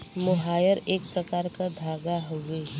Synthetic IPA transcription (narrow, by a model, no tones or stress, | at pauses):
moɦaːjəɾeːk̚pɾəkaːɾkad̪ʱaːɡaɦoɡəi